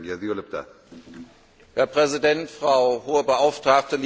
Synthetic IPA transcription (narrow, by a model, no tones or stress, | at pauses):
ɡjaziolɪp̚d̪a̰ | hɛːɐpʁ̥ɛzidɛntfʁ̥aʊhoːəbəʔaʊftʁ̥aːk̚təlː